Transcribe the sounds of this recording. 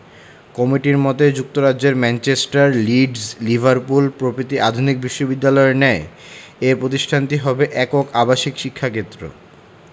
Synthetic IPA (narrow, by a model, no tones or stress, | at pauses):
kɔmiʈiɾmɔt̪ed͡ʑuk̚t̪oɾad͡ʑd͡ʑeɾmɛnt͡ɕesʈaɾliɖzlibʱaɾpulpɾopɾit̪iʔad̪ʱunik̚biʃːobid̪ːalɔenɛeeɾpɾot̪iʃʈʰant̪iɦɔbeʔɛkokabaʃikʃikʰːaket̪ːɾo̰